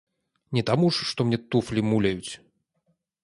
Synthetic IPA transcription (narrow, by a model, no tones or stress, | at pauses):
nʲɛt̪amuʂːt̪ɔmnʲɛt̪uflʲimulʲɐjut͡sʲ